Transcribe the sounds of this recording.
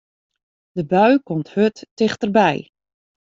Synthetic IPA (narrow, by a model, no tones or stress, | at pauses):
d̥əbœɥkomthøtːɪxtərbɛj